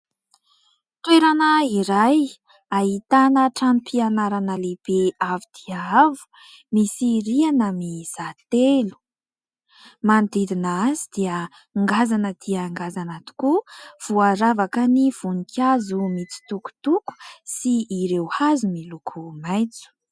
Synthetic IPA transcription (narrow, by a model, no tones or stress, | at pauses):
t̪weɾanəiɾaj | aɦit̪anəʈ͡ʂamipʰianaɾanəleb̥eavid̪̥iaavu̥ | misiɾianamiz̥at̪elu̥ | mand̪id̪inaazid̪̥iə | ŋɡazanəd̪̥iaŋɡazanat̪u̥kuv̥uaɾavakəniv̥unikʰʲazumit͡si̥t̪uku̥t̪uku̥siːɾewhazumilukʰumajt͡su̥